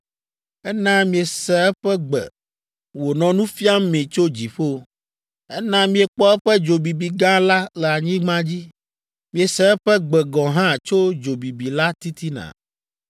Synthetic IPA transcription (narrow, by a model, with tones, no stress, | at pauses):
ɛ˦nã˦mĩ˨e˨sɛ˨˦ɛ˦ɸɛ˦ɡ͡bɛ̰˨ | wo˨nɔ̃˨nũ˦fi˦a˦mẽ˨t͡ʃo˦d͡ʑi˨ɸo˦ | ɛ˦nã˦mĩ˦e˨k͡pɔ˦ɛ˦ɸɛ˦d͡ʒo˨bi˨bi˨ɡã˦la˦lɛ˨a˨ɲĩ˦ɡ͡bã˦d͡ʑi˦ | mĩ˨e˨sɛ˨ɛ˦ɸɛ˦ɡ͡bɛ˨ɡɔ̃˨ɦã˦˨t͡ʃo˦d͡ʒo˨bi˨bi˨la˦t̪i˦t̪i˦nã̰˨